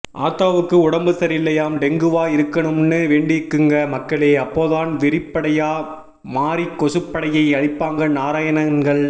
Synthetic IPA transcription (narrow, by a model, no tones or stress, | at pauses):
ʔa̰ːt̪ːaːʋɯkːɯʊɽɐmbɯsɐɾɪlːɐjaːmɖɛŋɡɯʋaːɪɾɯkːɐɳɯmnːɯʋeːɳɖɪkːɯŋɡɐmɐkːɐɭeːɐpːoːðaːnʋɪɾɪpːɐɽɐjaː | maːɾikːɔsɯpːɐɽɐjɐɪɐɻɪpːaːŋɡɐnaːɾaːjɐnɐnɡɐɭ